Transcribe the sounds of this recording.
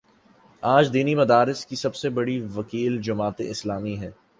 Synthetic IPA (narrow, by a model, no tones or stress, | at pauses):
aːd͡ʒd̪iːnimɐd̪aːɾɪskisɐbsebɐɽiʋɐkiːld͡ʒɐmaːt̪ḛɪslaːmiɦɛː